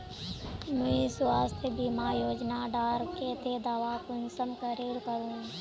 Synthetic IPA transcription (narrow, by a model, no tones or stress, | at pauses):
mə̃iswaːst̪ʰjəbimajoːd͡ʒnaɖaːɾket̪ʰed̪aːʋakonsəmkəɾeːɾkəɾũː